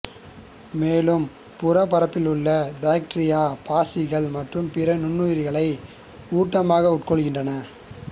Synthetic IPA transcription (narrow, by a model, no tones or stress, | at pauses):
meːlɯm | pʊrɐpɐɾɐpːɪlʊɭːɐbaːk̚ʈɐɾɪjaːpaːsɪɣɐɭmɐʈrɯmpɪɾɐnʊnːujɾɪɣɐɭɐɪ | uːʈːɐmaːɣɐʊʈkɔɭɣɪndrɐnɐ